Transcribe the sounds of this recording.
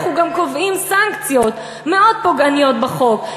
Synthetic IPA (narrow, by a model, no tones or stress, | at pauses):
χuɡamkovimsaŋkt͡sijot̪ | meo̞d̪̚poɡanijo̞t̪̚beχo̞k